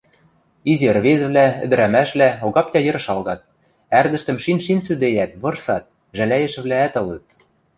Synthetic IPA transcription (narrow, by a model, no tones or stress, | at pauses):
izirβez̆βlæɘ̰̆d̪ɘ̆ɾæmæʃβlæoɣɑp̚t̪ʲæjɤ̆ɾɤ̆ʃɑlɣɑt̪̚ | ærd̪ɘ̆ʃt̪ɘ̆mʃinʃinsyd̪ejæt̪βɤ̆rsɑt̪̚ | ʒælæjɘ̆ʃɘ̆βlæːt̪ɤ̆lɤ̆t̪̚